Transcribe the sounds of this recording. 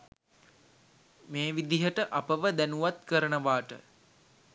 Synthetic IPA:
meːʋid̪iɦəʈəʔapəʋəd̪ænuʋat̪kəɾənəʋaːʈə̰

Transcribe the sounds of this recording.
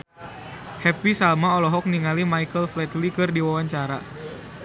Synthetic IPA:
hɛpisalmaɔlɔɦɔk̚niŋalimajkəlflɛt̪likɨrdiwawaɲt͡ʃaɾa̰

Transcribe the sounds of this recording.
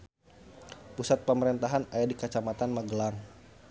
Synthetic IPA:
pusat̪̚pəməɾɛnt̪aɦanajadikat͡ʃamat̪anməɡəlaŋ

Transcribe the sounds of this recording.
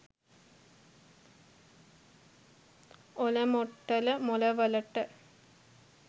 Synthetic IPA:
olɐmoʈːɐlɨmolɐʋɐlɐʈːɨ

